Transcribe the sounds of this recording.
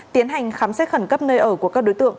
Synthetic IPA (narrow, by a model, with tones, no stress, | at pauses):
t̪i˨˦ənɦa˨˩jŋ̟xaː˨˦msɛ˦˥t̚xə˧˩nkə˦˥p̚nəː˧jʔəː˧˩ku˧˩əkaː˦˥k̚ɗo˨˦jt̪ɨ̰˧˨əŋ